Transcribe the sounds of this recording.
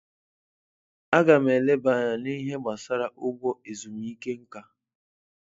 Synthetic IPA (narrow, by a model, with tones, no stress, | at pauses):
a˦ɡa˨me˨le˦ba˨ɲa˨ni˦ɦe˦ɡ͡ba˨sa˦ɾa˨ʔʊ˦ɡʷɔ˦e˨zu˨m˨i˦ke˦ŋ̩˦ka˦